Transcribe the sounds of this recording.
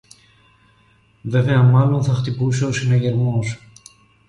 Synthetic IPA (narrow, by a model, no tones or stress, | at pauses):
ve̞ve̞ɐmɐlo̞nθɐxt̪ipuseo̞sineʝe̞ɾmo̞s